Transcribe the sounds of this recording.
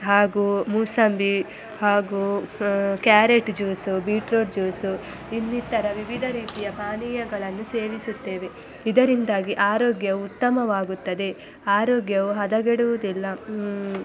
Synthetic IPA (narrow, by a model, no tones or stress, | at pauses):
ɦaːɡumuːsɐmbi | haːɡu | kjaːɾeʈd͡ʒuːsubiːʈɾoːɖd͡ʒuːsu | inːit̪ːɐɾɐʋiʋid̪ʱɐɾiːt̪ijɐpaːniːjɐɡɐɭɐnːuseːʋisut̪ːe̞ːʋe̞ | id̪ɐɾind̪aːɡiʔaːɾoːɡjɐuut̪ːɐmɐʋaːɡut̪ːɐd̪e̞ | aːɾoːɡjɐʋuɦɐd̪ɐɡeɽuʋud̪ilːɐ